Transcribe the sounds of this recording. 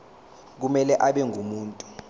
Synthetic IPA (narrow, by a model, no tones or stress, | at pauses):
k̬umɛlɛʔaɓɛŋʱumuːntʼu̥